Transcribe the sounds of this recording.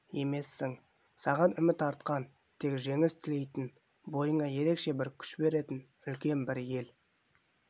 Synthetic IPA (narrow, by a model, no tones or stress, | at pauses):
je̞me̞sːɪŋ | sɑʁɑnʏmɪt̪ɑɾt̪qɑn | t̪ʰe̞kʒe̞ŋɪst̪ʰɪle̞jt̪ɪn | bo̞jəɴɑje̞ɾe̞kʃe̞bɪɾkʲʰʏ̥ʃbe̞ɾe̞t̪ɪn | ʏlkʲe̞nbɪɾje̞l